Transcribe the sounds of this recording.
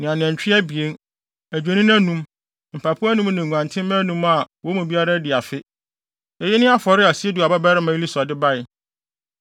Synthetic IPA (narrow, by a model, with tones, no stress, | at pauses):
nɪ̃˨ã˨nɪ̃˨ɛ̃˨ɲ˨t͡ɕᶣɪ˦ɛ˦bi˨e˦n | æ˨d͡ʑᶣe˨nĩ˦n˦æ̃˦nũ˦m | m̩˨pʰa˨pʰu˦æ˦nũ˦mnɪ̃˨ŋʷ˨ã˨ntʰɪ̃˦m˦mɛ̃˦nũ˦ma˨wɔ˨˦mũ˨bi˦a˦ɾa˦dɪ˨a˨fɪ˦ | ɛ˨jɛ˦nɪ̃˦a˦fɔ˨ɾɪ˦a˨si˦e˦du˨a˨ba˦bɛ˦ɾɪ˦mã˨˦i˦li˦sɔ˨dɪ˦ba˦ɪ˨